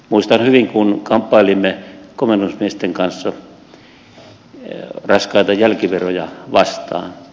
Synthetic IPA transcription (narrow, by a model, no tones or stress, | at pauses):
muist̪ɑnhyʋiŋkunkɑmpːɑilimːekomenusmiest̪eŋkɑnsːɑ | rɑskɑit̪ɑjælkiʋerojɑʋɑst̪ɑ̰ːn